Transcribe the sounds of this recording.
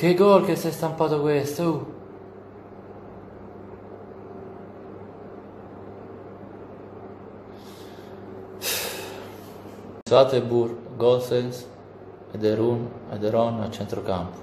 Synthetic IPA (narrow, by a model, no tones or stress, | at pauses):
keɡɔɾkesɛst̪ampat̪okwɛst̪ow | sat̪ebuɾɡɔlsens | ed̪eɾunḛd̪eɾɔnat͡ʃɛnt̪ɾokampu̥